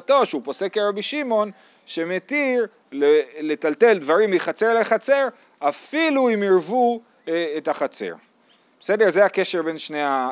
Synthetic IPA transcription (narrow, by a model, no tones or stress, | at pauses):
t̪o̞ʃeupo̞se̞keʁabiʃimo̞n | ʃe̞met̪iʁ | lele̞t̪alte̞ldvaʁimːiχat͡se̞ʁleχat͡se̞ʁ | afiluimiʁvu | ethaχat͡se̞̰ʁ | bbese̞deʁzeake̞ʃeʁbe̞nʃneja